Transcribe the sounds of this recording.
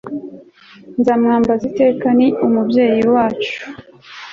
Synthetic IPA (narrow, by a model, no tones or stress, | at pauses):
nzaːmŋaːmbazite̞ːkaniʔumubje̞ːjiwaːt͡ʃu̥